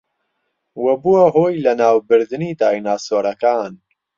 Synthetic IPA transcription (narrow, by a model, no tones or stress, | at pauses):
wɐbuwɐɦoːjlɐnaːwbɨɾd̪ɨniːd̪aːjnaːsoːɾɐkaːn